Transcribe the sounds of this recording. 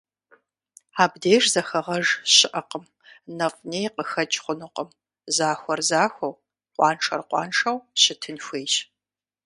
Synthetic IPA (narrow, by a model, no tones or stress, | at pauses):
aːbdeːrzɐxɐʁɐʒɕɪʔɐqəm | nɐfneːjqəxɐt͡ʃʼχʷʊnɨqəm | zaːxʷɔrzaːxʷɐw | qʷɑ̰ːnʈ͡ʂʰɐrqʷɑ̰ːnʈ͡ʂɐwɕɪtʰɨnxʷeːjʃ